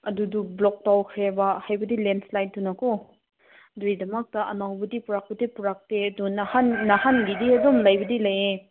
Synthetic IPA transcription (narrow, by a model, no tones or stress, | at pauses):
ɐdudublɔk̚tawkʰajabɐhajbɐdilenslajt̚dunɐko | dɾidɐmɐk̚tɐʔɐnawbɐdipuɾak̚bɐdipuɾak̚teɐdunɐhanːɐhanɡidiɐdomlajbɐdilɐje